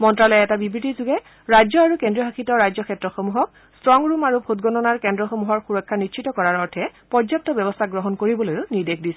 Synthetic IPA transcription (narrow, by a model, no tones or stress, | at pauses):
mɔntɹalɔjɛtabibɹitizuɡɛ | ɹajzɔaɹukendɹiɔɦaxitɔɹajzɔkʰɛtɹɔxomuɦɔk | stɹɔŋɹumaɹubʱotɡɔnɔnaɹkɛndɹɔxomuɦɔɹxuɹɔkʰːanitʃʰitɔkɔɹaɹɔɹtʰɛpɔdzap̚tɔbɛbɔstʰaɡɹɔɦɔnkoɹibɔlojʊniɹdekʰdisɛ